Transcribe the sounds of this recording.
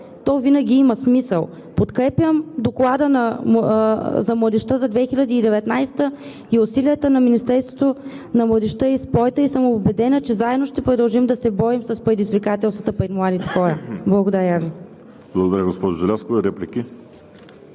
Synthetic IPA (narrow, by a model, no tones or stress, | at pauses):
t̪ɔvinəɡʲiiməsmisəlˠ | pot̪kɾɛpʲjəmd̪oklˠad̪ənɐ | zɐmlˠɐd̪ɛʃt̪əzɐd̪vɛxilʲɐd̪iːd̪ɛvɛt̪najst̪ə | iʊsiliət̪ənɐminist̪ɛɾst̪vot̪o | nɐmlˠəd̪ɛʃt̪əispɔjt̪əisəmobɛd̪ɛnət͡ʃɛzaɛd̪noʃt̪ɛpɾod̪ɐlˠʒimd̪ɐsɛbɔimsəspɾɛd̪izvikat̪ɛlˠst̪vɐət̪əpɾɛt̪mlˠad̪it̪ɛ̥xɔɾəblˠɐɡod̪ɐɾʲəvi | blˠɐɡod̪ɐɾaɡospɔʒʊʒɛlʲafskovɛɾɛplʲikʲi